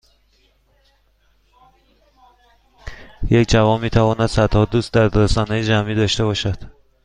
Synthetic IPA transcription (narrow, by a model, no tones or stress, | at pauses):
jecʰd͡ʒævɒːnmːiːt̪ʰævɒːnæd̪̥sæd̪hɒːd̪uːst̪d̪æɾd̪ɒsɒːnejed͡ʒæmiːd̪ɒːʃt̪e̞bɒːʃæd̪̥